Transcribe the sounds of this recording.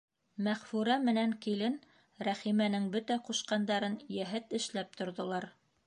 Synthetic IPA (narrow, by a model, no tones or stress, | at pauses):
mæχfʉɾæmɘ̆næŋkilɘn | ɾæχimænɘŋbɵt̪æquʃqɑnd̪ɑɾɤnjæɦɘt̪ɘ̆ʃlæp̚t̪ŏɾðŏlˠɑɾ